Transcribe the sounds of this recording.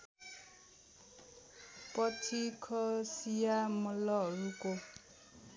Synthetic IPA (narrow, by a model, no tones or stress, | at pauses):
pʌt͡sʰikʰʌsijamɔlɔɦʌɾuko